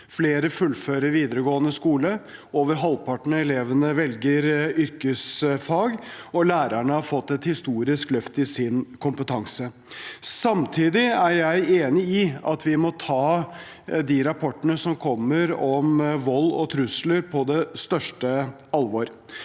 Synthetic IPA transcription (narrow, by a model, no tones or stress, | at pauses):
fleːɾəfʉlføːɾəɾʋiːd̪əɾəɡoːənəskuːləoːʋəɾɦɑlpʰɑʈɳəɛleːʋənəʋɛlɡəɾʏɾkəsfɑːɡɔlæːɾəɳəhɑɾfɔt̪ːɛt̪hɪst̪uːɾɪsklœft̪ɪsɪnkʰʊmpət̪ʰɑŋsə | sɑmt̪ʰiːd̪ɪæɾjæɪeːnɪɪɑt̪ʰʋɪmɔt̪ʰɑː | d̪iɾɑpʰɔʈːənəsɔmkʰɔmːəɾɔmʋɔlːɔ̰t̪ʰɾʉsləɾpʰɔd̪ɛst̪œʂʈə | ɑlʋɔɾ